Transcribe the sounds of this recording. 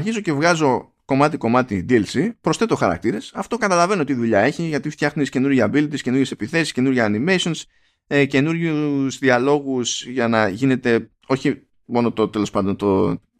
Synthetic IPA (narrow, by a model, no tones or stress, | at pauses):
ɐɾçizo̞ce̞vɣɐzo̞ | ko̞mɐt̪iko̞mɐt̪id̪ilsipɾo̞sθe̞t̪exɐɾɐ̰k̚t̪iɾe̞sɐft̪o̞kɐt̪ɐlɐve̞no̞t̪iðuʎɐe̞çiʝɐt̪ift̪çɐxunisce̞nuɾʝɐɐbilt̪isce̞nuɾje̞sepiθe̞si̥sce̞nuɾʝɐːnime̞sions | ece̞nuɾʝuzðiɐlo̞ɣusʝɐnɐʝine̞t̪e̞ | o̞çi | mo̞not̪ot̪e̞lo̞spɐnd̪o̞nt̪o